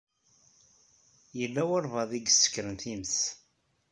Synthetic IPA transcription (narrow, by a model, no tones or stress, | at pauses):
jəlːæwəɾˤvɑðˤiɡsːə̥kːɾənθiməθ